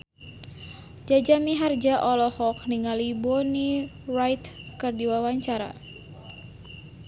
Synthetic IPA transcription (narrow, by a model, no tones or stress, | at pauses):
d͡ʒad͡ʒamiɦard͡ʒaʔɔlɔhɔk̚niŋalibɔni | rajt̪kɨrdiwawaɲt͡ʃaɾa̰